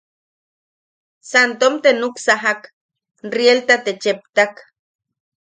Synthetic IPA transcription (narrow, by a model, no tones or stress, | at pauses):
sant̪omt̪enuksaɦak | nrielt̪at̪et͡ʃep̚t̪ak